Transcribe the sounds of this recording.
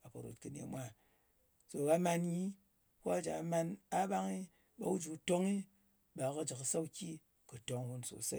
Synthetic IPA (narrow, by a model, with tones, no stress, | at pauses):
a˨ka˨ɾo̰˨tkɨ˨nḛ˨˦mʷa˦ | so˨ɣa˦ma˧nɲi˦ | ko˦a˦d͡ʒa˨˦ma˧na˦ba˦ŋi˦ | ba˦wu˦d͡ʒu˨to˦ŋi˦ | ba˨ka˦d͡ʒɨ˨ksa˦kʲi˦ | kɨ˨to˨ŋhu˧nso̰˨sa˦